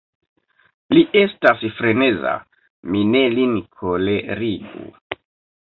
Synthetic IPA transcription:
liʔe̞stasfɾeneza̰ | minelinkʰoleɾiɡṵ

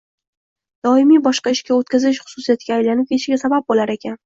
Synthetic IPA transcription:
d̪̥ɒɪmijbɒʃqɑɪʃkʲaot̪̚kʲʰazɪʃχʊ̥sʊsijat̪ɡʲaːjlanɪp̚ʰʲeʃɪɡʲasabap̚bolaɾe̞kʲʰan

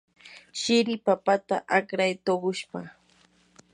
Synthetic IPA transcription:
ʃɪɾɪpapat̪a̰ʔakɾajt̪oɢʊʃpa

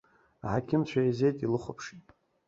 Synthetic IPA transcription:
aħakʲʰɪmt͡ɕʷʰaizejtʼilɨχʷopʰʂi

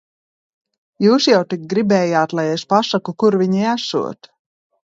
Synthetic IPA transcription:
juːsjawt̪ik̚ɡɾibɛːjaːt̪lˠajespasakukuɾvʲiɲiæsṵɔt̪

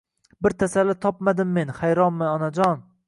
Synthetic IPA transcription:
bɪɾt̪ʰasalːɪt̪ʰɒpmad̪ɪmːe̞nhajɾɒnmɪɒnad͡ʒɒn

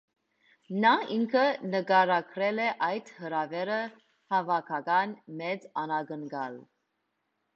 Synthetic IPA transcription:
nɑiŋkʰənəɡɑɾɑkʰɾɛlɛʔɑjt̪həɾɑvɛɾə | hɑvɑkʰɑɡɑnmɛt͡sɑnɑɡənɡɑl

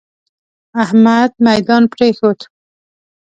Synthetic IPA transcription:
ahmad̪majd̪ɑnpɾexod̪

